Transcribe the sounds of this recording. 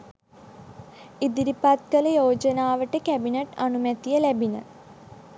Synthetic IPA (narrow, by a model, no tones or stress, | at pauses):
id̪iɾipat̪̚kələjoːd͡ʒənaːʋəʈəkæbineʈanumɛt̪ijəlæbinə